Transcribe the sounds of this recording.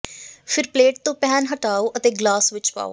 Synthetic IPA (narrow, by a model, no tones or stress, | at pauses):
pʰɪɾpleːʈ̚t̪õːpɛːnɦəʈaːoːʔət̪eːɡlaːsʋɪt͡ʃpa̰ːo̰